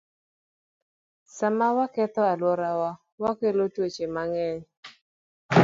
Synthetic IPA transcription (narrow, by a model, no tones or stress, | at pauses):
samawakɛt̪ɔalwɔɾawa | wakelotwot͡ʃemaŋɛɲ